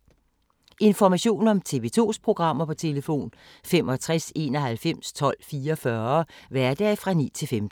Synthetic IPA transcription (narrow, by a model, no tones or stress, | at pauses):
ʔe̝nfɒmæɕo̝̰ːnɒ̽mt͡sʰe̝ʋe̝t͡sʰo̝̰ːspʰʁo̝ɡ̥ʁɑ̈m̰ɐpʰɒ̽t͡sʰe̝ləfo̝̰ːn | fem̰ɒ̽t͡sʰʁase̝̰ːnɒ̽ɦælfem̰st͡sʰɒ̽l̰fiːɐfɶːɐɐʋæɐd̥ɛːfʁɑ̈nḭːt͡sʰe̝lfemd̥n̩